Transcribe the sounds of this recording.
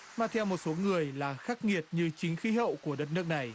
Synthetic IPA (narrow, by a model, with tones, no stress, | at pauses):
maː˨˩t̪ʰɛ˧wmo˨˩t̚so˨˦ŋɨ˨˩əjlaː˨˩xaː˦˥k̚ŋi˨˩ət̚ɲɨ˧t͡ɕï˨˦ŋ̟xi˨˦ɦə̰˧˨wku˧˩əɗə˦˥t̚nɨ˦˥ək̚na˨˩j